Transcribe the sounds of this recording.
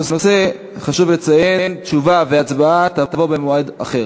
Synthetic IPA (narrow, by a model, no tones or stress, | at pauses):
osnose | χaʃuvlet͡sajent̪t͡ʃuvaveat͡sbaat̪at̪avo̞bemoaed̪aχeʁ